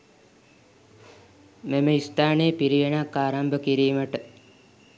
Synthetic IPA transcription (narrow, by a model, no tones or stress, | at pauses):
meməist̪aːnejəpiɾiʋenakːaːɾambəkiɾiːməʈə